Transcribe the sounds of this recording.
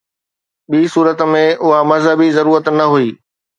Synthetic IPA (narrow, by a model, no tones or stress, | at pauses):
ɓiːsuːɾət̪mẽʔʊɦamɐzɦəbizɐɾuːɾət̪nɐɦuiː